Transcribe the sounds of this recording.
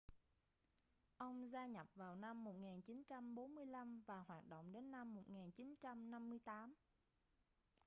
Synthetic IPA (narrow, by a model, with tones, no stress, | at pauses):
ʔə˧wŋ͡mzaː˧ɲə˨˩p̚vaː˨˩wna˧mːo˨˩t̚ŋaː˨˩nt͡ɕi˨˦nt͡ɕa˧mɓo˨˦nmɨ˧əjla˧mvaː˨˩hwaː˨˩t̚ɗo̰˧˨wŋ͡mɗe˨˦nːa˧mːo˨˩t̚ŋaː˨˩nt͡ɕi˨˦nt͡ɕa˧mna˧mːɨ˧əjt̪aː˨˦m